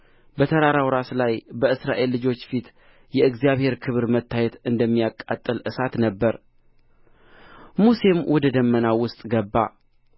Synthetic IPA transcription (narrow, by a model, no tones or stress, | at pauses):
bət̪ʰəɾaɾawɾaslajbəɨsɾaʔe̞lːɨd͡ʒo̞t͡ʃːfit̪ | jɛɨɡzijaβhe̞ɾkʰɨβɾmət̪ʰːajɛt̪ɨnd̪əmːijakʼːat̪ʼːɨlʔɨsat̪nəbːəɾ | muse̞mwʔɔd̪əd̪əmːənawʊst̪ʼɡəbːa